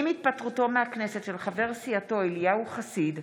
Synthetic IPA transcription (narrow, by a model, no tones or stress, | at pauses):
imit̪̚patʁuto̞meaknesetʃelχave̞ʁsiato̞elijauχasid̪